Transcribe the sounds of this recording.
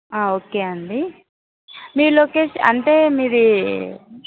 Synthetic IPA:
aːoːkeːɐɳɖi | miːɾuloːkeːʃɐ̰ɳʈe̞ːmiːɾi

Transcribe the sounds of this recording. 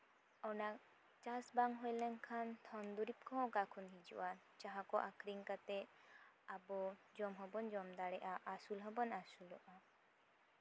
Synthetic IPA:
ɔnak | t͡ʃasbaŋɦɔjlɛŋkʰant̪ʰɔnd̪uɾip̚kʰɔ̃kakʰɔnɦid͡ʒṵʔa | t͡ʃaɦakɔʔakʰɾiŋkat̪ɛ | abɔd͡ʒɔmɦɔbɔnd͡ʒɔmd̪aɽɛʔaʔːsulɦɔbɔnasulɔʔa

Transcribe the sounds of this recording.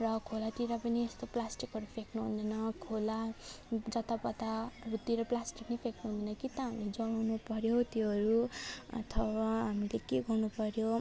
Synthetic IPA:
rʌkʰolat̪iɾapʌniest̪oplasʈikʌɾupʰeknuɦṵnd̪ʌnʌkʰolad͡zʌtp̪apʌt̪aɾut̪iɾʌplasʈiknepʰeknuɦũnd̪ʌnʌkit̪aɦamled͡zʌɽ̃awnupʌɾjot̪jeɦʌɾuʌ̰t̪ʰʌbaɦamilekeɡʌrnupʌɾjo

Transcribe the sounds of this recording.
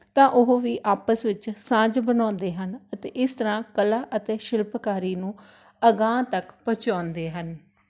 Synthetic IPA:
t̪ãːʔʊɦʋiːʔaːpəsʋɪt͡ʃsãːd͡ʒbənãːnd̪eːɦənət̪eːʔɪst̪əɾãːkəlaːʔət̪eːʃɪlpkaːɾiːnũː | əɡãːt̪əkpət͡ʃãːnd̪eːɦən

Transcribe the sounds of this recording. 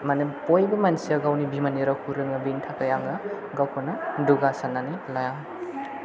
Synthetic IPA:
mɐnɯpojbɐmɐnsiɐɡawnibimɐniɾɐkʰuɾɯŋɐbintʰakɐjaŋɡɐ | ɡawkʰonɐduɡasanːanilajaŋ

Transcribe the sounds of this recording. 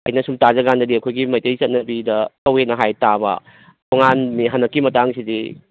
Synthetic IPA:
ɐ̰jnɐsumtazɐɡandɐdiɐkʰojɡimɐjtɐjt͡ʃɐt̚nɐbidɐtɐwhet̚nɐɦajtabɐ̰ | tʰoŋanmiɦanːɐkːimɐtaŋsidi

